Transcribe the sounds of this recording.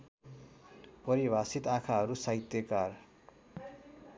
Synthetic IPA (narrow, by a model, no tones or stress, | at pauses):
pʌɾibʱasit̪akʰaɦʌɾusaɦit̪jekar